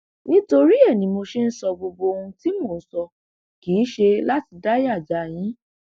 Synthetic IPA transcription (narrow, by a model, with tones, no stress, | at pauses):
nĩ˦to˧ɾi˦ɛ˦˨nĩ˨˦mo˧ʃe˦n̩˦sɔ˧ɡ͡bo˧bo˧o˧ũ˧ti˦mo˨n̩˦sɔ˧ | kiː˨˦ʃe˧la˦ti˧da˦ja˦˨d͡ʒa˨j̃ĩ˨˦